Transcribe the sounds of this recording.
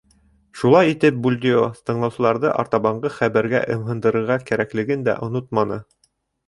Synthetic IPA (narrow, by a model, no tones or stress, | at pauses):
ʃulˠɑjit̪ɘp̚bulʲd̪ʲioθt̪ɤ̆ɴlˠɑwsɤ̆lˠɑɾðɤʔɑ̰ɾt̪ɑβɑɴɢɤχæβæɾɡæ̰ʔɤ̆mɦɤ̆nd̪ɤ̆ɾɤ̆ɾʁɑkæɾæklɘ̆ɡɘnd̪æ̰ʔŏnot̪̚mɑnɤ